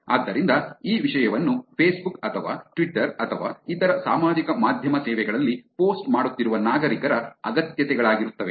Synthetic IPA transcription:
a̰ːd̪ːɐɾind̪ɐiːʋiʂɐjɐʋɐnːupʰeːsbukɐt̪ʰɐʋa̰ːʈʋiʈːɐɾɐt̪ʰɐʋa̰ːit̪ɐɾɐsaːmaːd͡ʒikɐmaːd̪ʱjɐmɐsɛːʋɛɡɐɭɐlːipoːsʈmaːɽut̪ːiɾuʋɐnaːɡɐɾikɐɾɐɐɡɐt̪jɐt̪ɛɡɐɭaːɡiɾut̪ːɐʋe̞

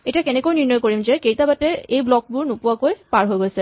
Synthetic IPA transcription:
etijakɛnɛkojniɹnɔjkoɹimzɛkejtabatɛejblɔk̚bʊɹnʊpʊwakojpaɹɦojɡojsɛ

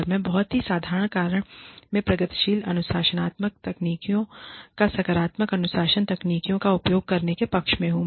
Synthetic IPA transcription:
ɾmẽbɐɦɔt̪ɦisaːd̪ʱaːɾəɽ̃kaːɾəɽ̃mẽpɾɐɡət̪ʃiːlɐnʊʃaːʃənaːt̪mək̚t̪ɐkniːkijõkasɐkəɾaːt̪məkɐnʊʃaːʃənt̪ɐkniːkijõkaʊpjoːɡ̚kɐɾnekepɐkʃmẽɦũː

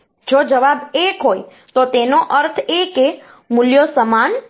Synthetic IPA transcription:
d͡ʒod͡ʒəʋabekɦoj | t̪ot̪enoʔəɾt̪ʰeke | mʊljosəman

